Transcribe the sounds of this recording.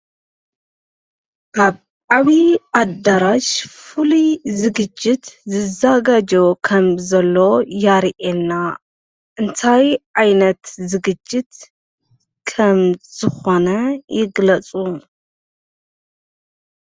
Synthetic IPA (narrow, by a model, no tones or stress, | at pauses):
kʰaβ | ʕaβiʔad̪aɾaʃfɨlizɨɡɨd͡ʒːɪt̪zɨzaɡad͡ʒokʰɐmzɐlːo̞jaɾʔenːa | ʔɨnt̪ʰajʕajnɐt̪zɨɡɨd͡ʒːɪt̪ | kʰɐmz̥ɨxo̞nɐjɪɡlɐt͡sʼu